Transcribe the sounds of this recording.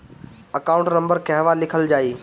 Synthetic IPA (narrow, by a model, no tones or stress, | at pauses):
ɐkaːʊ̃ɳʈnɐ̃mbəɾkɐɦʋalɪkʰəld͡ʑaːiː